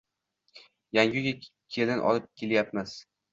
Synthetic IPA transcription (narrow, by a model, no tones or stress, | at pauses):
jaŋʲʊɡʲakʲʰe̞lɪnʔɒ̰lˠɪp̚kʲʰe̞ljapmɪz̥